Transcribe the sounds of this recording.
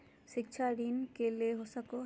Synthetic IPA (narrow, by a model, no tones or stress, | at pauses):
ʃik̚t͡ɕʰaɾinkeleɦosako